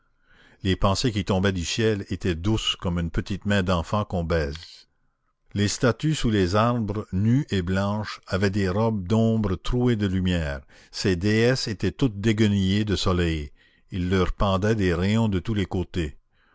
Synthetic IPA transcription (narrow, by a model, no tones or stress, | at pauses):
lepɑ̃sek̬ʲit̪ɔ̃bɛd̪ysjɛlet̪ɛd̪uskɔmynpət̪it̪mɛ̃d̪ɑ̃fɑ̃kɔ̃bɛːz | lest̪at̪ysulezaʁbʁənyʔeblɑ̃ʃavɛd̪eʁɔb̚d̪ɔ̃ːbɾət̪ʁued̪əlymjɛːʁ | sed̪eɛset̪ɛt̪ut̪̚d̪eɡənijed̪əsɔlɛj | ilːœʁpɑ̃d̪ɛd̪eʁɛjɔ̃d̪ət̪ulekoːt̪e